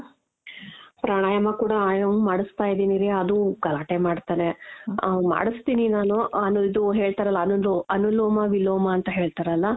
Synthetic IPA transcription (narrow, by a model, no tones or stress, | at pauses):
pɾaɳ̃aːjɐmɐkuːɽɐaːjɐmmaːɽust̪aːjd̪iːniɾeɐd̪uɡɐlaːʈemaːɖt̪aːɾe | ma̰ːɽist̪iːninaːnuɐnuid̪uɦe̞ːɭt̪aɾɐlːɐːnuloɐnuloːmaʋilːoːmaːnt̪ɐɦe̞ːɭt̪aɾɐlːɐ